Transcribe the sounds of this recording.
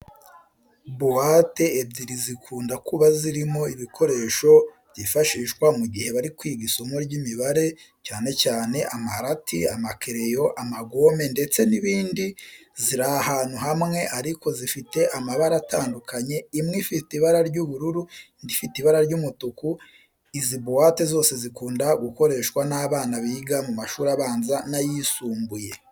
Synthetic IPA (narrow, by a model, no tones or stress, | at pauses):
boate̞ːbɟiɾizikʰuːndakuβaziɾimo̞iβikʰo̞ɾe̞ːʃo̞bɟiːfaʃiːʃkwamuɡihe̞βaɾikwiːɡisomoɾɟimiβaɾe̞ | caːne̞caːne̞ʔamahaɾatʰiamakʰeɾe̞jo̞ʔamaɡo̞me̞nde̞t͡se̞niβiːndiziɾahaːn̥uɦamŋe̞ʔaɾiko̞zifite̞ʔamaβaɾataːndukʰaɲe̞imŋifitiβaɾaɾɟuβuɾuɾundifitiβaɾaɾɟumutuku | izibowatezo̞ːse̞zikuːndaɡuko̞ɾe̞ːʃkwanaːβaːnaβiːɡamumaʃuːɾaβaːnzanajisuːmbuje̞